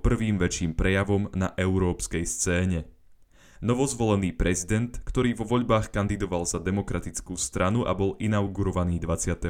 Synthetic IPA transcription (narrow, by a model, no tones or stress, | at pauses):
pr̩ʋiːmʋɛt͡ʃiːmpɾɛjaʋɔmnaʔɛʊɾɔːpskɛjst͡sɛːɲɛ | nɔʋɔzʋɔlɛniːpɾɛzid̪ɛnt̪kt̪ɔɾiːʋɔʋɔʎbaːxkand̪id̪ɔʋalzad̪ɛmɔkɾat̪it͡skuːst̪ɾʔanuʔa̰bɔlʔinaʊɡuɾɔʋaniːd̪ʋat͡sɪat̪ɛ